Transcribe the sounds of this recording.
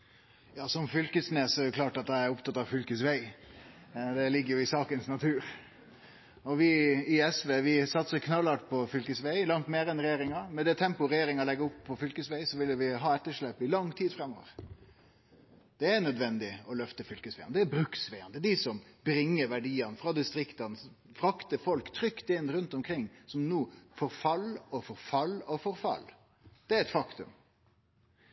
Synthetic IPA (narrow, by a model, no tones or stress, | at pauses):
jɑːsɔmfʏlkəsneːsɔɛjʊkʰlɑːʈɑt̪̚d̪ɛæɾʊpt̪ʰɑt̪ːɑʋfʏlkəsʋæɪ | d̪ɛlɪɡːəɾjʊɪsɑːkənsnɑt̪ʰʉːɾ | ɔʋɪɪɛsʋeːʋɪsɑt̪səɾkʰnɑlɑʈpʰɔfʏlkəsʋæɪlɑŋt̪meːɾɛnɾɛjeːɾɪŋɑmɛd̪ɛt̪ʰɛmpʊɾɛjeːɾɪŋɑlɛɡːəɾʊpʰːɔfʏlkəsʋæɪsɔʋɪlːəʋɪɦɑːɛt̪ːəʂɭɛpːɪlɑŋːt̪ʰiːd̪fɾɛmːo̰ːʋə̰ɾ | d̪̥ɛæɾnœd̪ʋɛnd̪ɪɔlœft̪əfʏlkəsʋæɪənd̪ɛːɾbɾʉksʋæɪənd̪ɛd̪ɪsɔmbɾɪŋːəɾʋæɖiːɑnfɾɑd̪ɪst̪ɾɪkt̪ɑn | fɾɑkt̪əfɔlkt̪ʰɾʏkt̪ɪnɾʉnt̪ɔmkʰɾɪŋːsɔmnuːfɔɾfɑlːɔfɔɾfɑlːɔfɔɾfɑ̰lː | d̪̥ɛæɾɛt̪fɑkt̪ʉ̰m